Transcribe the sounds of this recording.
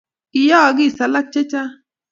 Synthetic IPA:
i˨jɔ˦˨ɡɪ˦˨sa˨la˦k̚t͡ʃe˦t͡ʃa˦

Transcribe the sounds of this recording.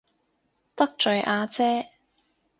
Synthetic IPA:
t̪ɐ˥k̚t͡ʃɵ˨ɥʔaː˧t͡sɛː˥

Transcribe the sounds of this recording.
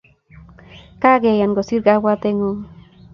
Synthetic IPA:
ka˦ɡe˨ja˨nɡo˨si˦ɾɡa˦wa˦t̪e˦ŋu˦

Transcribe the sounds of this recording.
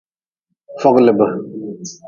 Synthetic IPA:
fɔ˦klə˨bə˨

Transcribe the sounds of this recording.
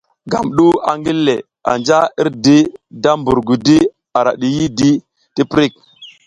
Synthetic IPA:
ɡa˨mɗu˦a̰˨ŋɡi˦lːe˨ | a̰˨nd͡ʒa˦i˦ɾdi˦da˦mbu˨ɾɡu˨di˦ | a˨ɾa˨ɗi˨ji˦di˦ | ti˦pɾi˦k̚

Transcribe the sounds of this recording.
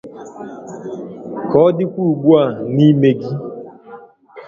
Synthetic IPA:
kɔː˨˦dɪ˦kʷu˦u˨ɡ͡bu˦a˨ni˦me˨ɡi˦

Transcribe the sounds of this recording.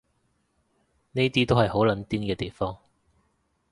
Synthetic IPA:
ne˥jt̪iː˥t̪o˥whɐ˨jɦo˨˥wlɐ˨˥nt̪iː˥nkɛː˧t̪e˨˩jfɔː˥ŋ

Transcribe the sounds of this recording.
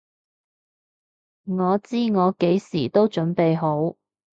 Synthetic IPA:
ŋɔː˨˧t͡siː˥ŋɔː˨˧ke˨˥jsiː˨˩t̪o˥wt͡ʃɵ˨˥npe˨jɦo˨˥w

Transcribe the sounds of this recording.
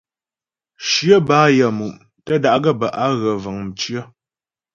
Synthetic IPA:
ʃjə˦baː˦jə˨mu˨m | tə˦da˦ʔɡə˦˨bə˨ʔa˦ɣə˨və˨ŋm̩˨t͡ʃɥə˦

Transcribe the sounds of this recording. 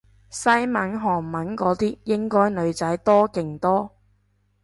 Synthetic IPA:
sɐ˥jmɐ˨˥nɦɔː˨˩ŋmɐ˨˥nkɔː˨˥t̪iː˥jɪ˥ŋkɔː˥jlɵ˨˧ɥt͡sɐ˨˥jt̪ɔː˥kɪ˨˩ŋt̪ɔː˥

